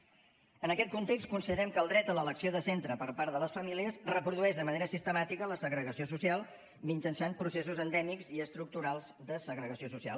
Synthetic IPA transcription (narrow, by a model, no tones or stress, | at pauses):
ənəkɛt̪̚kunt̪ɛkst̪kunsiðəɾɛmkəːlˠd̪ɾɛt̪ələləksioðəsent̪ɾəpəɾpaɾðələsfəmiliəzrəpɾuðuɛʒðəməneɾəsist̪əmat̪ikələsəɣɾəɣəsiosusialˠ | minʲd͡ʒənsanpɾusesuzənd̪ɛmikziəst̪ɾuk̚t̪uɾalˠzd̪əsəɣɾəɣəsiosusia̰l